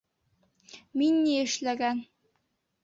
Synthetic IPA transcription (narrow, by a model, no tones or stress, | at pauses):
minːiɘ̆ʃlæɡæn